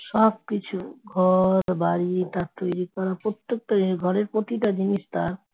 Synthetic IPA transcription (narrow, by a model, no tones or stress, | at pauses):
ʃɔb̚kit͡ɕʰuɡʱɔɾbaɾit̪aɾt̪ojɾikɔɾapɾot̪ːek̚ʈaiɡʱɔɾeɾpɾot̪iʈad͡ʑiniʃt̪aɾ